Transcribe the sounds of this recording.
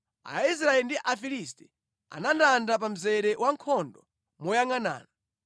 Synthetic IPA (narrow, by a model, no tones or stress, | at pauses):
a̰is̬ɾaɛndiʔafilistɛ | a̰nandandap̬am̩zɛɾɛwʔaŋkʰɔndɔ | mɔjaŋana̰ːna